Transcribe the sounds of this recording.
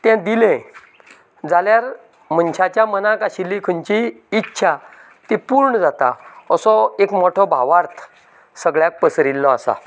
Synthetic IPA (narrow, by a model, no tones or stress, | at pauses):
t̪ɛ̃d̪ilɛ̃ | d͡zaljaɾ | mənɕat͡ɕjamənãkaɕilːĩkʰəɲt͡ɕiː | tːɕʰa | t̪ipuɾɳəd͡zat̪a̰əsɔekmoʈʰɔbʱa̰ʋaɾt̪ʰ | səɡɭjak̚pəsɾilːɔasa̰